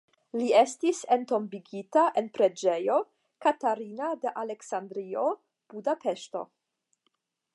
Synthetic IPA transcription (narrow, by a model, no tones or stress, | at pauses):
lie̞stisento̞mbiɡitaʔenpɾe̞d͡ʒe̞jo̞ | kataɾinade̞ʔaleksandɾio | b̥udape̞ʃto̞̰